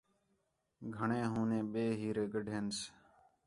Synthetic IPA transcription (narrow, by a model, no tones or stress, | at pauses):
ɡʱəɳẽːɦũːnẽːɓeːɦiːɾeːɡəɖʱeːns